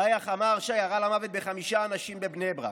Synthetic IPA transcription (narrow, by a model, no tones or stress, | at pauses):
ajaχamaʁʃajaʁalamavet̪̚beχamiʃaːnaʃimbebnebʁa̰